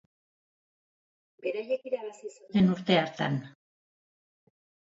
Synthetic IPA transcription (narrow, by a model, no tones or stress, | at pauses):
beɾajekiɾaβasisudenuɾt̪e̞aɾt̪a̰n